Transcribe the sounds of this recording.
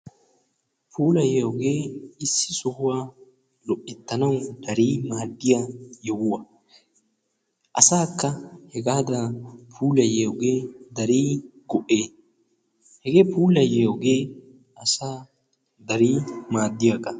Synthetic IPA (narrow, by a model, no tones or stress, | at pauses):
pʰuːlɐjɛɔɡeːɪsːɪsʊhʊwaː | lɔʔːɪt̪ːɐnɐwd̪̥ɐɾiːmaːd̪ːɪjajɛwɐ | ʔɐsaːkːɐhɛɡaːd̪apʰuːlɐjeɔɡeːd̪ɐɾiːɡɔʔeː | hɛɡeːpuːlɐjeɔɡeː | ɐsaː | d̪ɐɾiːmaːd̪ːɪjɐkɐ